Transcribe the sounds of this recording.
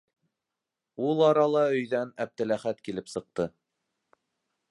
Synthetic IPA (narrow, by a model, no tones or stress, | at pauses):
ulˠɑɾɑlˠɑɵ̆jðænæb̚t̪ɘ̆læχæt̪kilɘpsɤ̆q̚t̪ɤ